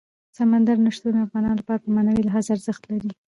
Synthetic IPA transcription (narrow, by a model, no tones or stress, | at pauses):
samand̪aɾnaʂt̪unafɣɑnɑnlapɑɾapəmanawilaɦazaaɾzəxt̪laɾi